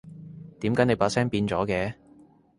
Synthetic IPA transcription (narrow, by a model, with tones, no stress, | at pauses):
t̪iː˨˥mkaː˨˥ne˨˧jpaː˧t̚sɛː˥ŋpiː˧nt͡sɔː˨˥kɛː˧